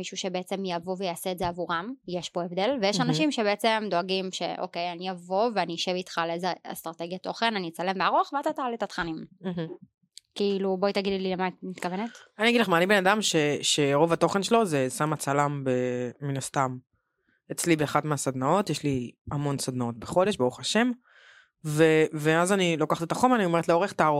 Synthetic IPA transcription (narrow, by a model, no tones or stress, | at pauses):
miʃuʃe̞beet͡se̞mjavovejaːseːtzeavuʁamjeʃbo̞evd̪e̞lvejeʃanaʃimʃe̞beet͡se̞md̪oaɡimʃe̞̰ʔo̰ke̞janijavo̞veaniʃe̞vit̪χaleezea̰st̪ʁat̪e̞ɡjat̪o̞χe̞nanit͡sale̞mbeaʁoχveat̪at̪aalit̪at̪χanim̩ | kiiluboit̪aɡidlilemamit̪kavenetaniaɡidleχmaːnibenadamʃe̞ʃe̞ʁo̞vat̪o̞χenʃelo̞zesamat͡salambeːinast̪am | et͡slibeaχadmeasad̪nao̞t̪jeʃliamo̞nsad̪nao̞t̪̚be̞χo̞de̞ʃbeuχaʃe̞m | veveazanilo̞kaχat̪etaχomanio̞me̞ʁetleo̞ʁeχt̪aaʁo